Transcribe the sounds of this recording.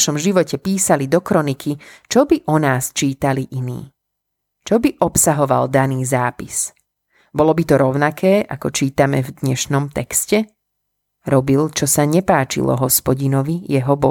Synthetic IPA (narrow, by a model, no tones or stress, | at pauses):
ʃɔmʒiʋɔcɛpiːsalid̪ɔkɾɔnikʰit͡ʃɔbiʔɔnaːst͡ʃiːt̪aliʔinḭː | t͡ʃɔbiʔɔpsaɦɔʋa̰ld̪aniːzaːpis | bɔlɔbit̪ɔɾɔʊnakʰɛːʔa̰kɔt͡ʃiːt̪amɛ̰vd̪ɲɛʃnɔmt̪ɛkscɛ | ɾɔbilt͡ʃɔsaɲɛpaːt͡ʃḭlɔ̰ɦɔspɔɟinɔʋijɛɦɔbɔ